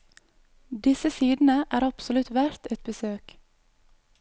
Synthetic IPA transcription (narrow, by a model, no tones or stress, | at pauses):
d̪ɪsəsiːd̪n̩əʔæːɾɑpsɔlʉt̪ʋæɾt̪ɛt̪̚bəsøːk